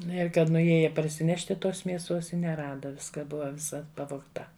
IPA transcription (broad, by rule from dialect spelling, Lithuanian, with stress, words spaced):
ˈnʊ ɪr ˈkɐt nʊˈjiɛjɛ pɐrʲsʲɪˈnʲæːʃʲtʲɪ ˈtoːs mʲiɛˈsuɔs ɪ nʲɛˈrɑːdɐ ˈʋʲɪskɑː ˈbʊʋɐ ʋʲɪˈsɐ pɐʋoːkˈtɐ